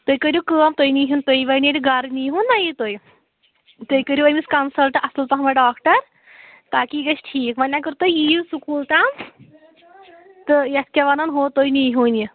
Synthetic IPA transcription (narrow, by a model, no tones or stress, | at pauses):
t̪ojkəɾjukəːmt̪ojniːɦunt̪ojʋɐniʈɡɐɾniːɦunːajit̪oj | t̪ojkəɾʲjuɐjmiskɐnsɐlʈɐsɨlp̪ɐɦɐmɐɖaːkʈɐɾ | t̪aːkiːɡɐt͡ʃʈʰiːkʋɐnʲakɨɾt̪ojiːusukuːlʈaːm | t̪ɨjɐskʲɐʋɐnɐnɦoːt̪ojniːɦuːni